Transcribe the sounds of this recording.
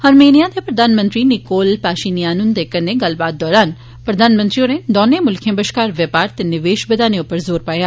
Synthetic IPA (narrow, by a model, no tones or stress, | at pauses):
həɾmeːnijaːd̪eːpɾəd̪aːnmə̃nt̪ɾiːnɪkoːlpaːʃiːnijaːnʊnd̪eːkənːeːɡəlbaːt̪̚d̪ɔːɾaːn | pɾəd̪aːnmə̃nt̪ɾiõːned̪ɔːneːmʊlkʰẽːbəʃkaːɾʋjəpaːɾt̪enɪʋeːʃbəd̪aːnẽːʊpːəɾzoːɾpaːjaː